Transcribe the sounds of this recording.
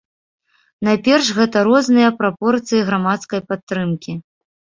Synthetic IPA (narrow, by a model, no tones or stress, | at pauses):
najpʲɛrʂɣɛt̪ɐɾɔznɨjɐpɾapɔrt̪sɨjiɣɾamat̪skɐjpat̪ːɾɨmkʲi